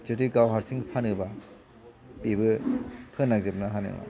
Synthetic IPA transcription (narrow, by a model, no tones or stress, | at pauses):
d͡ʒɯtiɡawɦaɾsiŋpʰanɯba | pibɯpʰɯnːaɡ̚zep̚nɯɦanɯ̰wa̰